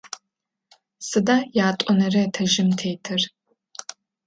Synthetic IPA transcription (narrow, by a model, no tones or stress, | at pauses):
sɨdaːjaːtʷʼɔnɐrɐtʰɐʒɪmtʰeːtʰɨr